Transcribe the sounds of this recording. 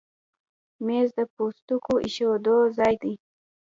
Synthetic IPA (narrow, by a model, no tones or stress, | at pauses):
mezd̪əpost̪ukoʔiʃod̪ozɑjd̪i